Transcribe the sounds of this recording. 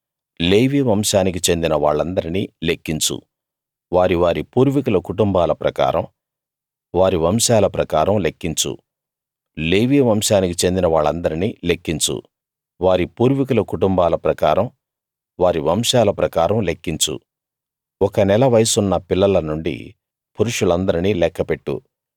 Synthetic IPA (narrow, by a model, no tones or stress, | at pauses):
leːʋiːʋɐmʂaːnik̬it͡ʃe̞nd̪inɐʋaːɭːɐnd̪ɐɾiniːle̞kːiɲt͡ʃṵ | ʋaːɾiʋaːɾipuːɾʋikulɐkuʈumbaːlɐpɾɐka̰ːɾɐm | ʋaːɾiʋɐmʃaːlɐpɾɐkaːɾɐmle̞kːiɲt͡ʃṵ | leːʋiːʋɐmʂaːnik̬it͡ʃe̞nd̪inɐʋaːɭːɐnd̪ɐɾiniːlekːiɲt͡ʃṵ | ʋaːɾipuːɾʋikulɐkuʈumbaːlɐpɾɐka̰ːɾɐm | ʋaːɾiʋɐmʃaːlɐpɾɐkaːɾɐmle̞kːiɲt͡ʃṵ | ɔkɐnɛlɐʋɐjɐsunːɐpilːɐlɐnuɳɖḭ | puɾuʂulɐnd̪ɐɾiniːlɛkːɐpe̞ʈːṵ